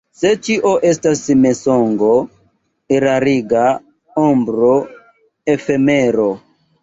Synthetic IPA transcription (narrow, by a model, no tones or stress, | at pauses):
se̞t͡ʃiʔoʔe̞stasmesoŋɡo | iɾaɾiɡa | ombɾo | efemeɾo